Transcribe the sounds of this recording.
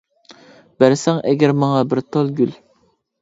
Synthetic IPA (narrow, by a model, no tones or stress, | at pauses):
b̥æɾsɛŋʔɛɡʲæɾmɑŋɑbɪɾt̪ʰolˠɡʲyl